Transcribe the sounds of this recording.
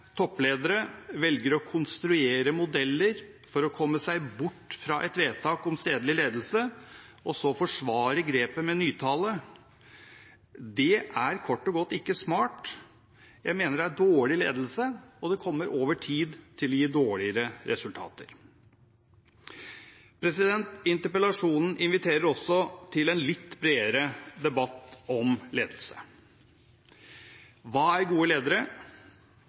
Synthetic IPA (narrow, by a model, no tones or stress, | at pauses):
t̪ʰɔpːleːd̪əɾəʋɛlɡəɾɔkʰʊnst̪ɾʉeːɾəmʊd̪ɛlːəɾ | fɔɾɔkʰɔmːəsæɪbʊʈːfɾɑʔɛt̪ʋeːt̪ʰɑːkɔmst̪eːd̪lɪleːd̪l̩səɔsɔfɔʂʋɑːɾəɡɾeːpəmɛnyːt̪ʰɑːlə | d̪ɛʔæɾkʰɔʈːɔɡɔt̪ːɪkːəsmɑːʈ | jæɪmeːnəɖɛæɖoːɭɪlḛːd̪əl̩səɔd̪ɛkʰɔmːəɾʔoːʋəʈʰiːd̪t̪ʰɪlːɔjiːd̪oːɭɪəɾəɾʔɛsʉlt̪ʰɑ̰ːt̪ə̰ɾ | pʰɾɛsɪd̪ɛnt̪ɪnt̪əpəlɑʂuːnn̩ʔɪnʋɪt̪ʰeːɾəɾɔsːɔt̪ʰɪlɛnlɪt̪ːbɾeːəɾəd̪ɛbɑt̪ːɔmlḛːd̪lsə̰ | ʋɑːæɾɡuːəleːd̪əɾə